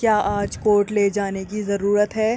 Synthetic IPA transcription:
kjaːʔaːd͡ʒkoːɾʈleːd͡ʒaːnekizɐɾuːɾət̪ɦɛː

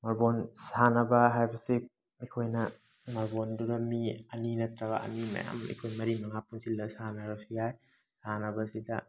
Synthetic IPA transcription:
mɐɾbonsanɐbɐɦajbɐsi | ikʰojnɐ | mɐɾbonduɾɐmiɐninɐtɾɐbɐ̰ɐ̰nimɐ̰ja̰mḭkʰojmɐɾimɐŋapunsilːɐsanɐɾɐsiaj | sanɐbɐsidɐ

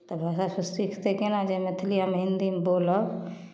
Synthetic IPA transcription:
t̪ɔbʱaːsasʊst̪ikʰt̪ekenad͡ʒemet̪ʰlijamɦɪ̃nd̪imboːlɔ

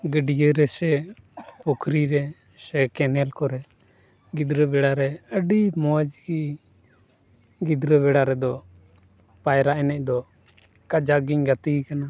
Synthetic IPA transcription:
ɡəɖijəɾɛsɛpɔkʰɾiɾɛ | sɛkɛnɛlkɔɾɛ | ɡid̪ɾəbɛɽaɾɛəɖimɔd͡ʒɡi | ɡid̪ɾəbɛɽaɾɛd̪ɔ | pajɾaʔɛnɛc̚d̪ɔ | kad͡ʒaɡiɲɡat̪ikana

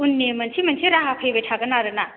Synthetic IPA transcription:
unːemɐnsʰimɐnsʰiɾaɦapʰebejtʰaɡɯnaɾɯna

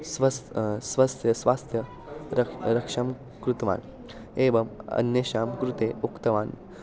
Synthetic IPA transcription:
sʋɐsʋɐst̪ʰjɐsʋaːst̪ʰjɐ | ɾɐɾɐkʂɐm | kɾut̪ɐʋa̰ːn | eːʋɐmɐ̰nːeːʃaːmkɾut̪eːukt̪ɐʋaːn

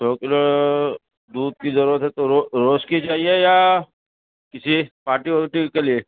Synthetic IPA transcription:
sɔːkɪlo | d̪uːd̪̚kizɐɾuːɾət̪ɦɛt̪oɾoɾoːskid͡ʒaːɦieja | kɪsipaːɾʈipɔːlɪʈikelie

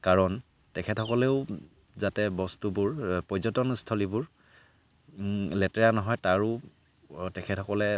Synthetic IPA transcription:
kaɹɔn | tɛkʰɛtɔkɔleʊ | zatɛbɔstubuɹpɔjzɔtɔnstʰɔlibʊɹ | lɛtɛɹanɔɦɔjtaɹʊ | tɛkʰɛtʰɔkɔlɛ

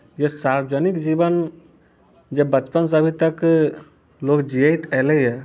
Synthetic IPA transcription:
jesaɾbəd͡ʒənikd͡ʒibən | d͡ʒebət͡ʃpəns̬əbʱit̪ək | lokd͡ʒijəɪt̪ɛləjɛ

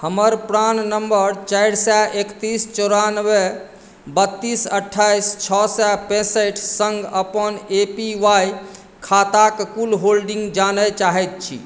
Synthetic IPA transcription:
həməɾpɾannəmbəɾt͡ʃajɽsɛʔekt̪ist͡ʃɔɾanwe | bət̪ːisəʈʰːajst͡ʃʰɔsɛpẽsəʈʰsə̃ŋɡəpənepiʋaj | kʰat̪akkulɦolɖiŋɡd͡ʒanət͡ʃaɦɛt̪̚t͡ʃʰḭ

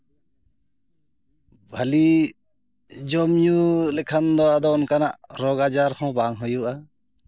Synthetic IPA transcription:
bʱali | d͡ʒɔmɲulɛkʰand̪ɔad̪ɔːnkanaʔɾɔɡad͡ʒaɾhɔ̃baŋɦɔjuʔa

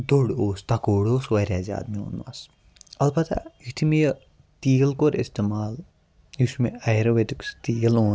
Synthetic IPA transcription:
d̪oɽoːst̪ɐkoːɽoːsʋɐɾʲaːza̰ːd̪mio̰ːnwa̰s | ɐlbɐt̪a̰jit̪ʰimij | t̪iːlkoɾest̪emaːl | jusmeɐjɾɐʋet̪ikst̪iːloː

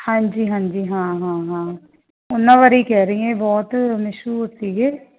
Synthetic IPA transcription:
hãːd͡ʒiːɦãːɲd͡ʒiːɦãːɦãːɦãː | ʊnːãːʋaːɾiːkɛːɾəɦĩɛ̃bɔːt̪mɪʃuːʊɾt̪ːiɡɛː

